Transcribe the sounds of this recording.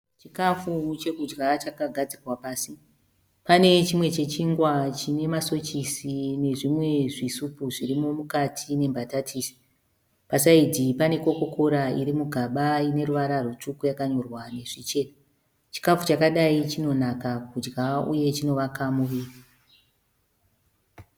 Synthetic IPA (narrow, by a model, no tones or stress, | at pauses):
t͡ʃikafut͡ʃe̞kud͡ʒɡat͡ʃakaɡʱad͡zirwapaːsi | pane̞t͡ʃimwe̞t͡ʃe̞t͡ʃiŋɡwat͡ʃine̞maso̞t͡ʃisine̞ʐimwe̞ʐisupuʐirimo̞mukatʰine̞mbʱatatʰisi̥ | pasaid͡zipane̞ko̞ko̞kʰo̞ɾaiɾimuɡʱaɓaine̞ruʋaɾarut͡ʂukujakaɲo̞rwane̞ʐ̥it͡ʃe̞ːna | t͡ʃi̥kafut͡ʃakaɗait͡ʃino̞nakakud͡ʒɡaṵje̞t͡ʃino̞ʋakamuʋiːra